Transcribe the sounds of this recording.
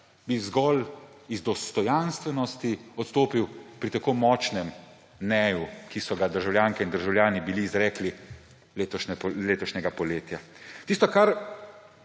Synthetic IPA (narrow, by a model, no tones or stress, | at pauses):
bizɡɔl | izd̪ɔst̪ɔjanst̪ʋɛnɔst̪iɔt̪st̪oːpiwpɾit̪akoːmɔːt͡ʃnɛm | nɛːjukisɔɡad̪əɾʒawlʲjaːŋkɛind̪əɾʒawljaːnibiliːzɾɛːkli | let̪ɔʃnɛleːt̪ɔʃnɛɡapɔleːt̪jat̪iːst̪ɔkaɾ